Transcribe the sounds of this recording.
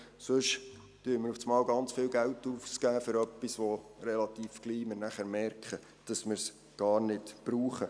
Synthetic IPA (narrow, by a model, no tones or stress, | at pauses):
sʊʃ | tyːməɾuft͡smɑːwɡɑnt͡sfɪːwɡæwtːuːft͡skæːfʏɾœpːisʋɔɾɛlɑt̪iːfɡ̥liːmɪnæχæɾmɛrkχə | d̥ɑsmɪɾs | ɡ̥ɑːɾnɪtb̥ɾuːχə